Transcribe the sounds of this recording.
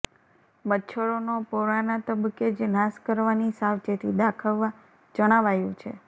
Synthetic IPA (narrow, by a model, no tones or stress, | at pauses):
bətːʃʰəɭonopoɾanat̪əbəked͡ʒnaskəɾʋanisaʋt͡ʃet̪ʰid̪akʰəʋːa | d͡ʒəɽ̃aʋajũt͡ʃʰḛ